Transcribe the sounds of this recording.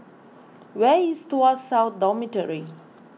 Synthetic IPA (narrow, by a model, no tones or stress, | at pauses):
wɛistuasawt̪̚dɔmitəɹi